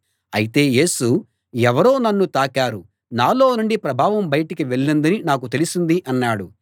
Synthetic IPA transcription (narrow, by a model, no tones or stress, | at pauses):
ɐjit̪e̞ːje̞ːsu | ɛʋɐɾo̞ːnɐnːut̪aːkaːɾu | naːlo̞ːnuɳɖipɾɐbʱaːʋɐmbɐjɐʈikiʋeɭːind̪ɐninaːk̬ut̪e̞lisind̪iʔɐnːaːɽu